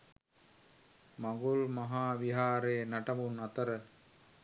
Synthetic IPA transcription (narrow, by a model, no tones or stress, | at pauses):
maŋɡulmaɦaːʋiɦaːɾeːnaʈɐmunat̪əɾə